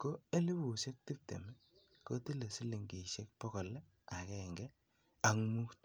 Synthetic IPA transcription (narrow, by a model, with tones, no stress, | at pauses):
ko˦e˦li˦bu˨se˦k̚ti˦p̚tḛ˨mɛ˦ | ko˦ti˦le˨si˦li˨ŋɡe˨ʃe˦k̚pɔ˦ɣo˨lɛ˦ | a˨kɛ˦˨ŋɡɛ˦ | a˨ŋmu˦kt